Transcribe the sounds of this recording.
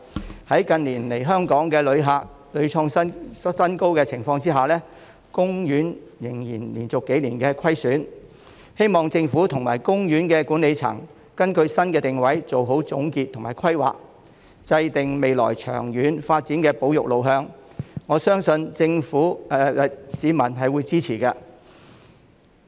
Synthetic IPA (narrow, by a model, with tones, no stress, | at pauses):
hɐ˨˥jkɐ˧nliː˨˩nle˨˩jɦœː˥ŋkɔː˨˥ŋkɛː˧lɵ˨˧ɥɦaː˨˧k̚ | lɵ˨˧ɥt͡ʃʰɔː˧ŋ˥sɐ˥nko˥wkɛː˧t͡sʰɪ˨˩ŋfɔː˧ŋt͡siː˥ɦaː˨˩lɛː˥ | kʊ˥ŋjyː˨˥njɪ˨˩ŋjiː˨˩nliː˨˩nt͡sʊ˨kːe˨˥jliː˨˩nkɛː˧kʰɐ˥jsyː˨˥n | he˥jmɔː˨ŋt͡sɪ˧ŋfuː˨˥t̪ʰʊ˨˩ŋmaː˨˩jkʊ˥ŋjyː˨˥nkɛː˧kuː˨˥nle˨˧jt͡sʰɐ̰˨˩ŋ | kɐ˥nkɵ˧ɥsɐ˥nkɛː˧t̪ɪ˨ŋwɐ˨˥jt͡so˨wɦo˨˥wt͡sʊ˨˥ŋkiː˧t̪ʰʊ˨˩maː˨˩kʰɐ˥jwa̰ː˨k̚ | t͡sɐ˧jt̪ɪ˨ŋme˨jlɔ̰ː˨˩jt͡ʃʰœ̰ː˨˩ŋjyː˨˥nfaː˧t̚t͡siː˨˥nkɛː˧po˨˥wjʊ˨k̚lo˨˧wɦœː˧ŋŋɔː˨˧sœː˥ŋsɵ˧nt͡sɪ˧ŋfuː˨˥ɛ˧˨siː˨˧mɐ˨˩nɦɐ˨jwuː˨˧jt͡siː˥t͡sʰiː˨˩kɐ˧